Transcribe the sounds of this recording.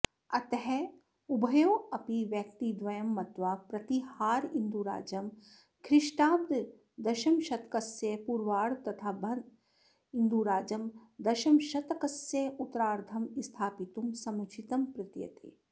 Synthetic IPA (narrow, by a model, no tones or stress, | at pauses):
ɐt̪ɐɦɛ | ubʱɐjoːɐpiʋjɐk̚t̪id̪ʋɐjɐmːɐt̪ʋaːpɾɐt̪ihaːɾind̪uɾa̰ːd͡ʒɐm | kʰɾɪʃʈaːb̚d̪ʱ | d̪ɐʃɐmʃɐt̪kɐsjepuɾʋaːɽt̪ɐt̪ʰaːbʱɐn | ind̪uɾaːd͡ʒɐmd̪ɐʃɐmʃɐt̪ɐkɐsjeut̪ɾaːɾd̪ʰʱɐmist̪ʰaːpit̪umsɐmut͡ʃʰit̪ɐmpɾɪt̪jɐ̰t̪ḛː